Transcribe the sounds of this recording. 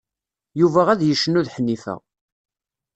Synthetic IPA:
juvæʁæðjəʃːənːuðħənːifæ̰

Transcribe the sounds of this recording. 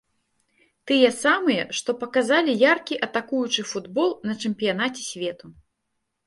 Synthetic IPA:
t̪ɨjɛsamɨjɛʂt̪ɔpɐkazalʲijarkʲiʔɐt̪akujut͡ʂɨfud̪bɔlˠnɐt͡ʂɛmʲpʲijanat͡sʲɛ̥sʲvʲɛt̪u

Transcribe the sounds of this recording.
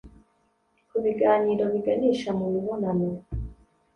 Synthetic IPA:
kuβiɡaːɲiɾoβiɡaniʃamumuβonano

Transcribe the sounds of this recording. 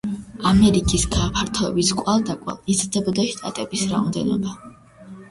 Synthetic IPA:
amɛɾikʼisɡaːpʰaɾt̪ʰɔɛbiskʼwalˠd̪akʼwa̰lˠizd̪abɔd̪ɔʃt̪ʼat̪ʼɛbisɾaɔmd̪ɛnɔ̰ba

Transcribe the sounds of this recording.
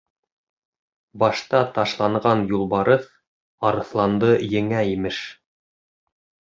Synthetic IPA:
bɑʃt̪ɑt̪ɑʃlˠɑɴɢɑnjulˠβɑɾɤθ | ɑɾɤ̆θlˠɑnd̪ɤjɘ̆ŋæimɘʃ

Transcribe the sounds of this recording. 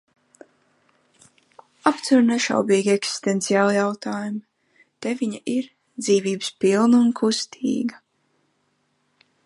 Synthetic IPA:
apt̪suɾnɛʃa̰wbiːɡʲieksi̥st̪ent̪sijaːlˠjawt̪aːjum | t̪eviɲaʔiɾ | d̪ziːviːbɨspilˠnunkʰust̪ʰḭːɡa

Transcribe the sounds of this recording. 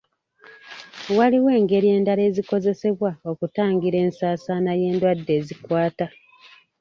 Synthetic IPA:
waliwe̞ːŋɡe̞ɾie̞ːndaɾe̞ːziko̞ze̞se̞βwao̞kutaːŋɡiɾe̞ːnsaːsanaje̞ːndwadːe̞ːzikwaːta

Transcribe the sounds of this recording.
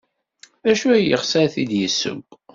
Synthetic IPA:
æʃuæjəχsæθid̪jəsːə̰ɡʷ

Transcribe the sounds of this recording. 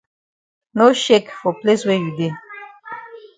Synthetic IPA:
noʃekfɔpleswejud̪e

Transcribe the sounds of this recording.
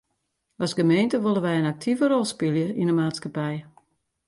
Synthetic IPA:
ɔsɡəmeːntəʋolˠənʋɛjənak̚tʰivəɾɔlˠspɪlˠjəinəmaːtskapɛj

